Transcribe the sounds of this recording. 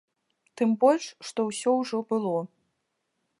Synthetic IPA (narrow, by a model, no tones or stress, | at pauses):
t̪ɨmbɔlʲʂʂt̪ɔwsʲɔwʐɔbɨlˠɔ